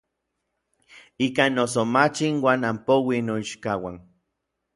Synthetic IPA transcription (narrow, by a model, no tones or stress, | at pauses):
ikanːos̬omat͡ʃinwaːnampowinoiʃkawan